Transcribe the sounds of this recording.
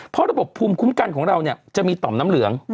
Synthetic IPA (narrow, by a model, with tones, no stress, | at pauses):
pʰɔ˦˥ɾa˧bo˨˩pʰːuː˧mkʰu˦˥mka˧nkʰɔː˩˦ŋɾa˧wni˧˩ɐt͡ɕa˨˩ʔmiː˧t̪ɔː˨˩˦mnaː˦˥mlɯ˩˦əŋ